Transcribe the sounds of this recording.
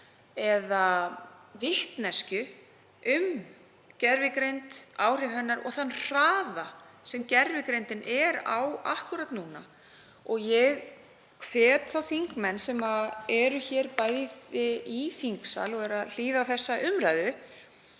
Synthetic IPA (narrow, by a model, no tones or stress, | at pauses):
ɛða | vɪht̪nɛscʏ | ʏm | cɛɾvɪkɾejnt̪aːwr̥ɪɾhɛnːaɾɔ̰ɣθanr̥aːðasɛmcɛɾvɪkɾejnt̪ɪnʔɛɾa̰wa̰hkʏɾat̪nuːna̰ | ɔɣjɛɣ | kʰvɛːt̪θawθiŋkmɛnːsɛmaɛɾʏçɛːɾpajðɪɪifiŋksa̰lɔɣɛɾaðl̥iːðaθɛsːaʔʏmraːjðʏ